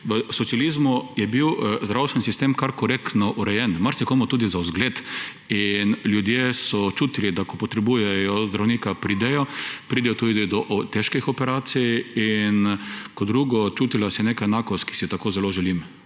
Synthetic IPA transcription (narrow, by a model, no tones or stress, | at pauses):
ʋəsɔt̪sijalizmujɛbiwzd̪ɾawst̪ʋɛnsist̪emkaɾkɔɾekt̪nɔʔuɾɛjɛnmaɾsɛkomɔt̪uːd̪izaʊzɡlet̪ | inljud̪jesɔt͡ʃuːt̪ilid̪akɔpɔt̪ɾɛbuːjɛjɔzd̪ɾawniːkapɾiːd̪ɛjɔpɾid̪ɛjɔt̪ud̪id̪id̪ɔʔt̪ɛʃkixɔpɛɾaːt̪sijinkɔd̪ɾuːɡɔt͡ʃuːt̪ilasɛnekaɛnaːkɔst̪̚ki̥sit̪akoːzɛloʒɛlim